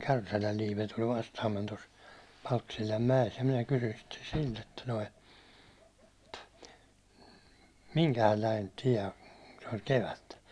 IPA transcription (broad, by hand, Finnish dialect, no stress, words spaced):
kærsælæl liːpe tulʲ ʋɑstɑːmːen tos pɑlkːi̥silʲːɑm mæjes jɑ minæ kysyn sitːen silt etːæ noi miŋkæhælːæin tiɛ se ol keʋætːæ